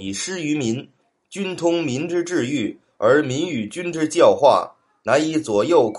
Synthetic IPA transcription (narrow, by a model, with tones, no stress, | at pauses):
i˨˩ʂɻ̩˥y˧˥mi˧˥n | t͡ɕy˥nt̪ʰʊ˥ŋmi˧˥nʈ͡ʂɻ̩˥ʈ͡ʂɻ̩˥˧y˥˩ | ə˞˧˥mi˧˥ny˨˩t͡ɕy˥nʈ͡ʂɻ̩˥˧t͡ɕjɑ˥˧ʊxwa̰˥˩ | na˧˥ni˧˥t͡swɔ˨˩jo˥˩ʊkʰ